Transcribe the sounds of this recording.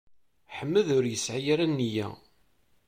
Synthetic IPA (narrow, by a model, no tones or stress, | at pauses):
ħəmːəðʊɾjəsʕajaɾænːijæ̰